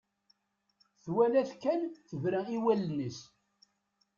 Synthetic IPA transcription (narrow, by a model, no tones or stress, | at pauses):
θwælæθkːænθəvɾæiwælnəs